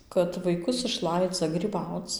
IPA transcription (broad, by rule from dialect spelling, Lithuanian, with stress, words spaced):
kɐt ʋɐɪˈkʊs ɪʃˈlˠɐɪd͡zɐ ɡrʲiːˈbɐʊt͡s